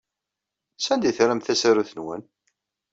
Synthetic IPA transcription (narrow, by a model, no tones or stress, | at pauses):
sænd̪iθɾæmθæsæɾuθənwæ̰n